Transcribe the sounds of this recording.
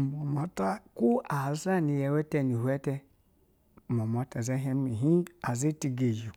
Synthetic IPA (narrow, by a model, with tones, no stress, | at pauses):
mo˨ma˨˦ta˦ku˦a˨˦za˦˨ni˧˨jɛ˧wɛ˦tɛ˧ni˨hu˨ɛ˦tɛ˧˨ | m˨o˨ma˨˧˦ta˨zɛ˦ɦɛ˧˦mi˨ɦĩ˦a˨ze˦ti˧ɡe˨d͡ʒu˨